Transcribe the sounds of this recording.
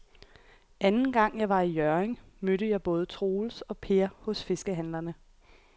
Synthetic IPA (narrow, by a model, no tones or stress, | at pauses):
ænn̩ɡ̥ɑ̈ŋ̰jɑ̈ɪʋɑ̈ijœɐeŋmøɾəjɑ̈ɪb̥ɔ̽ːð̞̩ˠət͡sʰʁo̝ːlsɒ̽pʰe̝ɐhɔ̽sfe̝sɡ̥əɦænlɐnə